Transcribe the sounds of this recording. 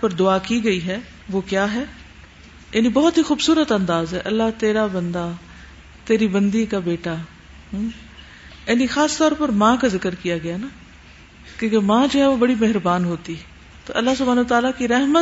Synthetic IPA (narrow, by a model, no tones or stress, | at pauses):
pɐɾd̪ʊaːkiɡɐiɦɛ | ʋoːkjaːɦɛː | jeːnibɔːɔt̪ɦixuːbsuːɾət̪ɐ̃nd̪aːzɦɛʔɐlːat̪eːɾabɐ̃nd̪a | t̪eːɾibɐ̃nd̪ikabeːʈa | jɛːnixaːst̪ɔːɾpəɾmãːkazɪkəɾkijaɡɪjana | kjõːkemãːd͡ʒoːɦɛʋobɐɽimeɦɾbaːnɦoːt̪iɛ | t̪oʔɐlːasʊbʱaːnəʋət̪aːlakiɾɛɦmə